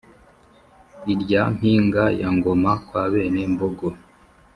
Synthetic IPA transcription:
iɾɟam̥iːŋɡajaŋɡomakwaːβe̞ːne̞mboɡo

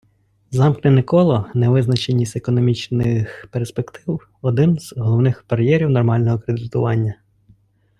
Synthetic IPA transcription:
zɑmknɪnɪkɔlˠɔnɛʋɪznɐt͡ʃenʲːisʲekɔnɔmʲit͡ʃnɪxperspekt̪ɪw | ɔd̪ɪnz̥ɦɔlˠɔwnɪxpɐɾjɛɾʲiwnɔrmɑlʲnɔɦɔkɾed̪ɪt̪ʊʋɑnʲːɐ

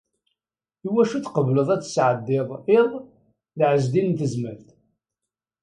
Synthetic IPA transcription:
iwæʃuθqəvləðˤæt͡sːə̥sʕəd̪ːɪðˤɪɾ | ðʕəzd̪innt̪əzməlθ

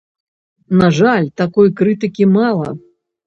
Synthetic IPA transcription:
naʐalʲt̪akɔjkɾɨt̪ɨkʲimalˠɐ̰

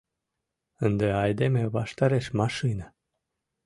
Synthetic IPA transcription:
ɨnd̪əajd̪emebaʃt̪aɾeʃmaʃɨna

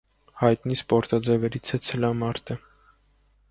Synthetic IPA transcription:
hɑjt̪nispɔɾt̪ɑd͡zɛvɛɾit͡sʰɛt͡sʰəlɑmɑɾt̪ʰə

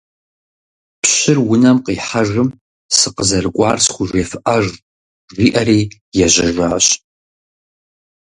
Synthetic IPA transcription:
pɕɪrwʊnɐmqiːħaʒɨm | sɨqəzɐrɨkʷʼɑːrsχʷʊʒʷeːfɨʔɐʒ | riːʔɐriː | jɛʑɐʒʷaːɕ

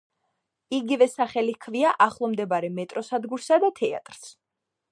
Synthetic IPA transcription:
iɡivɛsaχɛlikʰviaʔaχlˠɔmd̪ɛbaɾɛmɛt̪ʼɾɔsad̪ɡuɾsad̪at̪ʰɛa̰t̪ʼɾs

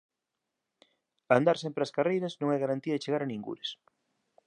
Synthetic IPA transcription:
and̪aɾsɛmpɾeɐskarejɾɐznõŋɛɣaɾant̪iɐðɪt͡ʃeɣaɾɐnĩŋɡṵɾɪs

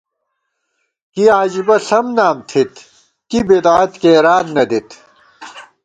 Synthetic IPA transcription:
kiaːd͡ʑibɐɬɐmnaːmt̪ʰit̪ | kibeːd̪aːt̪keːɾaːd̪nɐd̪it̪

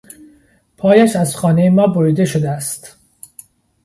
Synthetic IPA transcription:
pʰɒːjæʃæzxɒːnejemɒːboɾid̪e̞ʃod̪eæst̪

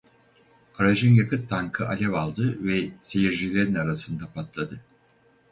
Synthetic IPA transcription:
aɾaʒɯnjakɯt̪ʰːaŋkʰɯʔalʲɛvalˠd̪ɯvɛsejiɾd͡ʒilʲeɾinaɾasɯnd̪apʰat̪lˠad̪ɯ

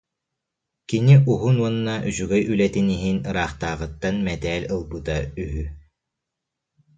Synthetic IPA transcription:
kiniʔuɦunuɔnːaʔyzyɡɛjylɛt̪iniɦinɯɾaːχt̪aːʁɯt̪ːanmɛt̪ɛːlʲɯlˠbut̪ayɦy

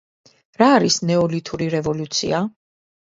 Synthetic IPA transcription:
ɾaːɾisnɛɔlit̪ʰuɾiɾɛvɔlut̪sʰḭa

